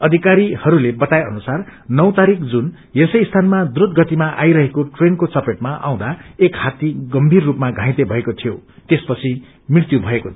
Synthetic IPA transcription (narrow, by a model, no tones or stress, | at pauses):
ʌd̪ʱikaɾihʌɾulebʌt̪ajʌnusarnʌw̃t̪aɾikd͡zun | jesʌjst̪ʰanmad̪uɾud̪̚ɡʌt̪imaʔajɾʌɦekoʈrenkot͡sʌpeʈmaʔa̰w̃d̪aekhat̪iɡʌmbʱirːupmaɡʱãɦĩt̪ebʱʌekot̪ʰijot̪espʌt͡sʰi | mriɾt̪jubʱʌeko